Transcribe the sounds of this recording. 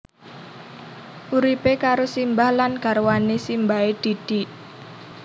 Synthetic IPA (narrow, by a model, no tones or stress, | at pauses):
ʔuɾipekaɾosimbahlanɡ̥a̤rwanesimbaed̪̥i̤d̪̥i̤ʔ